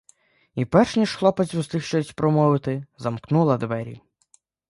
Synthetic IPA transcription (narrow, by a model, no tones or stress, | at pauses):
ipɛrʃnʲiʃxlˠɔpɐt͡sʲust̪ɪxʃt͡ʃɔjsʲpɾɔmɔʋɪt̪ɪzɐmknulˠɐd̪ʋɛɾʲḭ